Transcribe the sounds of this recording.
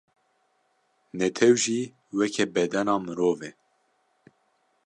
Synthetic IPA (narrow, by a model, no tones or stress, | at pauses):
nɛt̪ʰɛwʒiː | wɛkʰɛbɛd̪ɛnɑːmɨɾoːvɛ